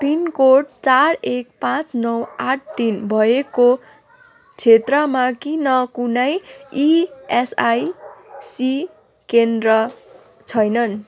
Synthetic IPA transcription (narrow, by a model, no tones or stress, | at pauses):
pinkoʈ̚t͡sarek̚pãt͡snʌwaʈ̚ʰt̪inbʱʌeko | t͡sʰet̪rʌmakinʌkunʌjiesajsi | kend̪rʌ | t͡sʰʌjnʌn